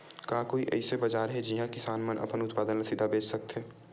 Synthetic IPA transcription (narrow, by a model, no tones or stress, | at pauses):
kaːkoːiʔɛ̰ɪsebɐd͡ʒaːɾɦɛd͡ʒiɦãkɪsaːnmənʔɐ̰pənʊt̪paːd̪ənɾɐsid̪ʱabeːt͡ʃsɐk̚t̪ɦɛː